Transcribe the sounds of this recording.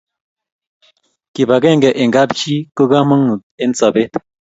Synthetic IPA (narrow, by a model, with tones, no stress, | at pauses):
ki˨ba˨ɡe˦˨ŋɡɛ˨ʔe˨ŋɡa˦bt͡ʃi˦ko˦ɡa˦mə˦ŋu˨t̪̚e˦nsa˨be˦t̪